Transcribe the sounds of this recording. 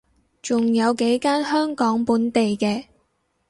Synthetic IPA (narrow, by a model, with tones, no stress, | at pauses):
t͡sʊ˨ŋjɐ˨˧wke˨˥jkaː˥nhœː˥ŋkɔː˨˥ŋpuː˨˥nt̪e˨jkɛː˧